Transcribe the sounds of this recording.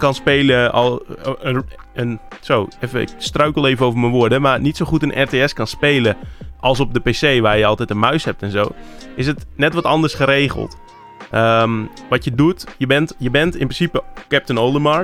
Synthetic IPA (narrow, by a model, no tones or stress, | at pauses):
kɑnspeːləɔəənsoːefəɪ̰kstrœɥkəlˠeːvənowvərmənʋʊədəmarnitsoχutənʔɛrteɛskɑnspeːləʔɑlˠs̬ɔp̚dəpeːseːʋaːrjəɑlˠtɛtənmœɥshɛp̚tɛnzoːɪsətnɛtʋɔtɑndərsχəɾeːχə̰lˠt | əm | ʋɑtjədutjəbɛntjəbɛntɪnprɪ̃sipəkɛp̚tənoːlˠdəma